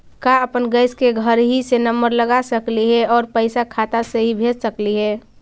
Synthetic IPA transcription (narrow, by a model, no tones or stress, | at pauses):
kaəpənɡəɪskeɡʱəɾɦisenəmbəɾləɡasəkliɦɛɔːɾpəɪsakʰat̪aseɦibʱeːd͡ʒsəkliɦɛː